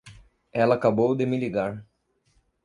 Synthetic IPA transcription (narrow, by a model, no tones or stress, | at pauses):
ɛlɐkabowd̪emiliɡaɳ